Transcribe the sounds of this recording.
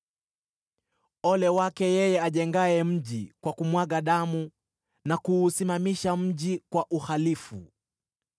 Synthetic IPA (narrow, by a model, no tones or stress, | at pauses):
ɔlɛwakɛjɛjɛaʄɛŋɡaɛm̩ʄikwakumwaɠaɗamu | nakuːsimamiʃam̩ʄikwaʔuhalifṵ